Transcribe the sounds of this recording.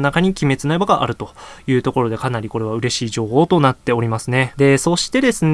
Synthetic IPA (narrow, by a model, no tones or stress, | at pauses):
nakaɲ̟ikʲime̞t͡sɨnaibaɡaʔa̰ɾɯ̟t̪o̞jɯ̟ːt̪o̞ko̞ɾo̞d̪e̞kanaɾʲiko̞ɾe̞βaɯ̟ɾe̞ɕiːʑo̞ːho̞ːt̪o̞nat̪ːe̞o̞ɾʲimasɨne̞d̪e̞so̞ɕi̥t̪e̞d̪e̞sɨn